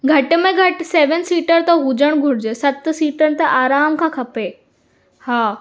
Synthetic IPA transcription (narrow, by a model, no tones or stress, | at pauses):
ɡʱɐʈ̆mẽɡʱɐʈseːʋənsiːʈəɾt̪ɐɦud͡ʑəɽ̃ɡʱʊɽɪd͡ʑəsɐt̪siːʈənɪ̆t̪ɐʔaːɾaːmkʰãːkʰɐpeː | haː